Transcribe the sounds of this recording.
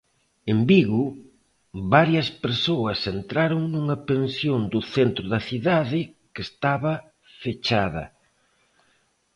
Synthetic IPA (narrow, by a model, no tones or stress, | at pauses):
embiɣʊ | βaɾjɐspeɾsoɐsent̪ɾaɾoŋnuŋɐpensjond̪ʊθent̪ɾʊðɐθiðaðɪkest̪aβɐ | fet͡ʃaðɐ̰